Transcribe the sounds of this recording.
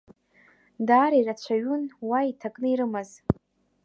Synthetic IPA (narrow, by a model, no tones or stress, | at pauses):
daːɾairat͡ɕʷʰaɥunwaitʰakʼnɨiɾɨmaz